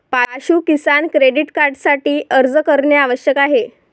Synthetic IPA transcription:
paaɕuːkisankɾeɖiʈkaɾɖsaʈiːʔəɾd͡zəkəɾɳjaaʋəɕjəkaɦe

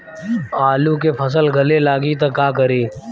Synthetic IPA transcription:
aːlukepʰəs̬əlɡʱɐlelaːɡit̪ɐkaːkəɾiː

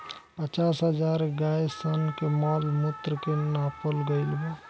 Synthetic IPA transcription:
pət͡ʃasɦəd͡ʒaɾɡajsənkemɔlmut̪ːɾəkenapolɡəɪlbe

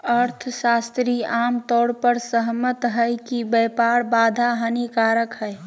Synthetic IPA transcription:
əɾt̪ʰʃaːst̪ɾiaːmt̪ɔːɽpəɾsəɦmət̪ɦəjkibɛːpaːɽbaːd̪ʱaɦənikaːɾəkɦɛː

